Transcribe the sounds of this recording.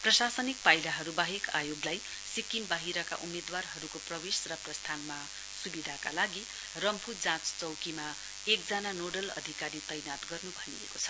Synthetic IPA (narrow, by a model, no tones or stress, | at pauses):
prʌsasʌnik̚pajlaɦʌɾubaɦeka̰joɡlaj | sikimbaɦiɾʌka̰ʔumed̪warɦʌɾukoprʌbesrʌprʌst̪ʰanma | subid̪ʱakalaɡi | rʌmpʰud͡zãt͡st͡sʌwkima | ek̚d͡zananoɖʌlʌ̰d̪ʱikaɾit̪ʌjnat̪ɡʌrnubʱʌniḛkot͡sʰʌ̥